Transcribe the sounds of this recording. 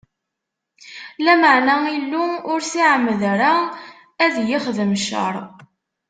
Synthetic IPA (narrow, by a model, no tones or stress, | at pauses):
læməʕnæilːuʊɾsiʕəmːəðɾa | æðjɪχðəmʃə̰ɾˤ